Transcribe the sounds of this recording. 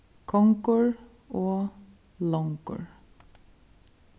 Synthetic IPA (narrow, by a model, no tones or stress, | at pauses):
kʰɔŋkəɹ | oː | lɔŋkʊ̰ɹ